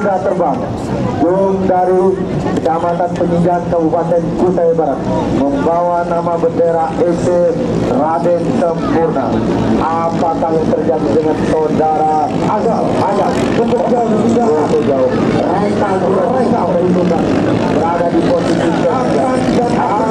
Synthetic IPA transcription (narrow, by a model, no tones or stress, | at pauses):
dat̪ərbaŋ | d͡ʒoŋdaɾi | kədamat̪anpəɲid͡ʒaankəbupat̪ɛnkut̪aibaɾat̪̚məmbawanamabəndeɾaʔepe | radɛnsəmpurna̰ | ʔa | pakajaŋt̪ərd͡ʒadidəŋansodaɾa | aɡa | aɡa | səkʊd͡ʒauɲid͡ʒat̪ud͡ʒaʊ | adɛt̪a | uaɾɛkamaipuna | bəɾadadiposisikaa | andana